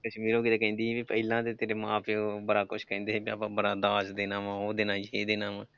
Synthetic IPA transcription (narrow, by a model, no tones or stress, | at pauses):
kəʃmiːɾõːkɪt̪eːkɛ̃ːnd̪iːẽːbipəːlãːt̪eːt̪eːɾeːmãːpʰeobəɽaːkʊʃʰkɛ̃ːnd̪eːẽːbia̰ːpãːbəɽaːd̪aːsd̪eːnaːʋãːoːd̪ɪnãːd͡ʒeːd̪eːnaːʋãː